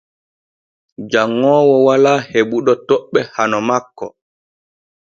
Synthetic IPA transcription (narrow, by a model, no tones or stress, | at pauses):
d͡ʒaŋːɔːwɔwalaːheɓuɗɔtɔɓːɛhanɔmakːɔ